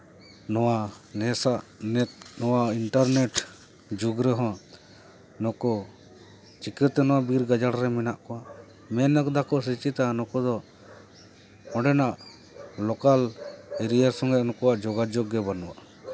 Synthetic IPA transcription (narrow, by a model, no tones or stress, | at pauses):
nɔwanɛsaʔnɛt̪̚nɔwaiɳʈaɾnɛʈ | d͡ʒuɡɾɛɦɔ̃ | nɔkɔ | t͡ʃikəɾt̪ɛnɔwabiɾɡad͡ʒaɽɾɛmɛnaʔkɔwaʔ | mɛnəkd̪akɔsit͡ʃit̪anɔkɔd̪ɔ | ɔ̃ɖɛnaʔ | lɔkalɛɾijaɾsɔ̃ŋɡɛnɔkɔwaʔd͡ʒɔɡad͡ʒɔɡːɛbanuwa̰ʔ